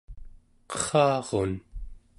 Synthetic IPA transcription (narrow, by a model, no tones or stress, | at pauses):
qʌ̥χɑːʁo̰n